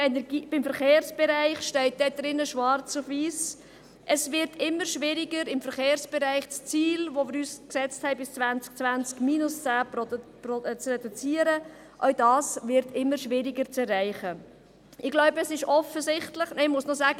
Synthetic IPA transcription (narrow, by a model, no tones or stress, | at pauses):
ɛnɛɾɡiːb̥ɪmfəɾχeːɾsb̥ɛɾæɪχʃtɛɪt̚d̥ɛd̥ɾɪnːəʃʋɑɾt͡sʊfʋiːs | ʔəsvɪɾtʰɪmːəɾʃʋɪɾɪɡəɾɪmfəɾχeːɾsb̥ɛɾæɪχt͡st͡siːlvomɪːɾyːsksɛt͡sthɛɪbɪst͡svænt͡sk̚t͡svænt͡skmiːnʊst͡sæːpprɔt͡srɛd̥ut͡siːəɾə | ʔœʊdɑːsvɪɾtɪmːəɾʃʋɪɾɪɡəɾt͡sɛrːæɪχə | ʔɪɡlɔʊbəəsɪʃɔfəsɪχtləχnɛɪmʊsnosaːɡə